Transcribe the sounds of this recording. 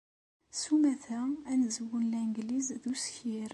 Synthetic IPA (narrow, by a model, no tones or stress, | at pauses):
sumæθæænzəwənlæŋɡlizðusçiɾ